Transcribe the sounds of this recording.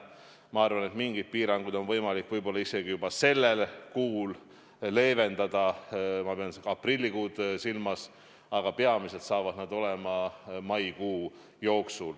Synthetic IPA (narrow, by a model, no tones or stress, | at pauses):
mɑɑrvɑne̞t̪miŋɡid̪̥̚piːɾɑŋɡujd̪o̞nvɤjmɑlikːˑvɤjbo̞lːɑise̞ɡ̥ijubɑse̞lːe̞lkuːlː | e̞ːve̞nd̪̥ɑd̪̥ɑmɑpeɑnseɡ̥ɑprilʲːikuːd̪̥silmɑs | ɑɡ̥ɑpeɑmise̞t̪sɑːvɑd̪̥nɑd̪o̞le̞mɑmɑjkuː | jo̞ːksul